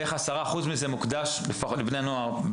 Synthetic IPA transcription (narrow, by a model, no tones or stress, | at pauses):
eχasaʁaːχuzmize̞mukd̪aʃliflifneanoaʁ